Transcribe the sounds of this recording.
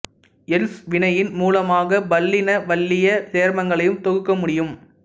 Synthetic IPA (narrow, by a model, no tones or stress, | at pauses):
ɛlsʋɪɳɐjɪnmuːlɐmaːɣɐbɐlːɪnɐʋɐlːɪjɐt̪eːɾmɐŋɡɐɭɐjɯmt̪ɔɣɯkːɐmʊɽɪjɯm